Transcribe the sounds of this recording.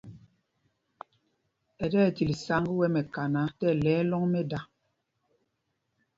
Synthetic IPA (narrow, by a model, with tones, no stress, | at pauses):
ɛ˨dɛː˦˨ti˨li˨sa˨˦ŋɡi˦wɛ˦mɛ˨ka˨na˨˦tɛ˦˨lɛː˨˦lɔ˦ŋmɛ˦da˦